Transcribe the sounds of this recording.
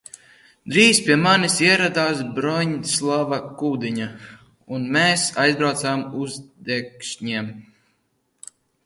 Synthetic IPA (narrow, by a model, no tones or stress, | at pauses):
d̪ɾiːspʲiɛmanisiɛɾad̪aːsbɾɔɲslˠavakuːd̪iɲa | unmeːsajzbɾawt̪saːmuzd̪ɛkʃɲiɛm